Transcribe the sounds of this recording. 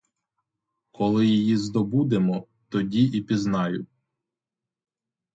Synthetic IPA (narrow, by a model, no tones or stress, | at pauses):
kʰɔlˠɪjijizd̪ɔbud̪emɔ | t̪ɔdʲiʔipʲiznɑjʊ